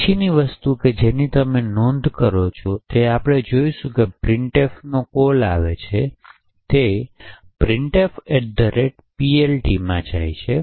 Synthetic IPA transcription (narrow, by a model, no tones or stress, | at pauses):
t͡ʃʰiniʋəst̪uked͡ʒenit̪əmenɔ̃nd̪ʱkəɾot͡ʃʰot̪eapɽ̃ed͡ʒoiʃũkepɾɪ̃ɳʈefnokola̰ʋet͡ʃʰe | t̪e | pɾɪɳʈefeʈ̚d̪əɾeʈ | pielʈimãd͡ʒa̰jt͡ʃʰe